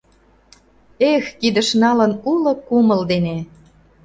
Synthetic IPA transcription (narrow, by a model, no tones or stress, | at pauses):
exkid̪ə̆ʃnɑlənulɤ̆kuməld̪ene